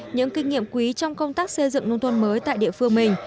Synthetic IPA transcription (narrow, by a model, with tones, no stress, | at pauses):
ɲɨ̰˧˥ŋkï˧ŋ̟ŋḭ˧˨əmkwi˨˦t͡ɕɔ˧wŋ͡mkə˧wŋ͡mt̪aː˦˥k̚sə˧jzɨ̰˧˨ŋno˧nt̪ʰwə˧nməː˨˦jt̪a̰ː˧˨jɗḭ˧˨əfɨ˧əŋmï˨˩ŋ̟